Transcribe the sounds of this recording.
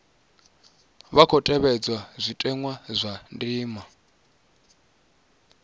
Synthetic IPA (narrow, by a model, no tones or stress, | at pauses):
βakʰɔtʼɛβɛd͡zwazʷitʼɛŋwazʷandiːma